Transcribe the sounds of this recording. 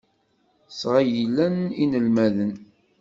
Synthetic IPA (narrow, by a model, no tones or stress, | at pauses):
sʁajilːæninəlmæðən